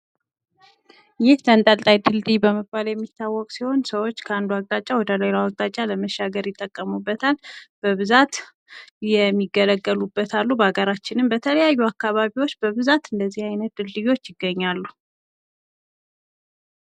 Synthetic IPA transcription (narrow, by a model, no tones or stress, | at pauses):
jɪht̪ʰənt̪ʼalt̪ʼajd̪ɨld̪ijbəməbːaljɛmːit̪ʰːawːɔkʼsiho̞nsəwo̞t͡ʃːkʰəand̪uak̚t̪ʼat͡ʃʼːawɔd̪əlelawak̚t̪ʼat͡ʃʼaləməʃːaɡəɾjɪt̪ʼːəkʼːəmubːət̪ʰalb̥əβɨzat̪ | jɛmːiɡːələɡːəlubːət̪ʰalːubaɡəɾat͡ʃːɪnɨmbət̪ʰələjajːuakːaβaβiwo̞t͡ʃːbəβɨzat̪ɨnd̪əzːihajnət̪̚d̪ɨld̪ɨjo̞t͡ʃːjɪɡːəɲːalːu